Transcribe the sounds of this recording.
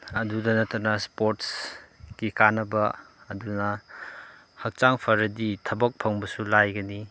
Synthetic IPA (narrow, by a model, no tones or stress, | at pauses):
ɐdudɐnɐtʰɐnɐspoɾtsɡ̥ikanɐbɐːdunɐ | hɐk̚t͡ʃaŋpʰɐɾɐditʰɐbɐk̚pʰɐŋbɐsulajɡɐni